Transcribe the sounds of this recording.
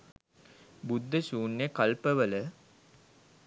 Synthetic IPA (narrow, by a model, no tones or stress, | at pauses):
bud̪ːəsuːnːjəkɐlpəʋələ